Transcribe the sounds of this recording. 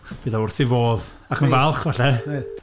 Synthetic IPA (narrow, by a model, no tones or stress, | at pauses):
b̥ɨdaʊrθɪvoːð | akʰənvalˠχvɛɬɛ